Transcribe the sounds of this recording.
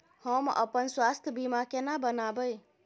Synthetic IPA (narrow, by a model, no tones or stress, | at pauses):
həmə̰pənswast̪ʰjəbimakenabənabəj